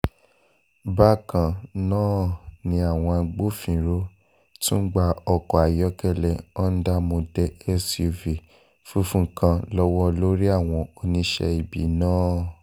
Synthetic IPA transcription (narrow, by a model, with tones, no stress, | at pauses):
ba˦kã˨nãː˦nĩ˧a˨w̃ɔ̃˧a˧ɡ͡bo˦fĩ˨ɾo˦ | tũ˦ɡ͡ba˧ɔ˧kɔ˨a˨jɔ˨˦kɛ˦˨lɛ˨ɔ˦n̩˦da˦mõ˧dɛ˧ɛ˦svi˨ | fu˦fũ˦kã˧lɔ˦wɔ˦˧lo˦ɾi˦a˦˨w̃ɔ̃˧o˧nĩ˧ʃɛ̰˧i˨bḭ˨˦nãː˦